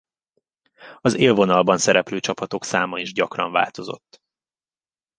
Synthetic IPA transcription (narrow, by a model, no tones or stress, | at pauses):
ɒzeːlvo̞nɒlbɒnsɛɾɛpløːt͡ʃɒpɒt̪o̞ksaːmɒiʒɟɒkrɒ̰ɱva̰ːlt̪o̞zo̞̰t̪ː